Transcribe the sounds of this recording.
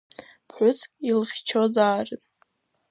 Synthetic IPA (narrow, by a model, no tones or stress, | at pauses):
pʰħʷᶣʊt͡sʰkʲʼilχʲt͡ʃʰozaːrɨn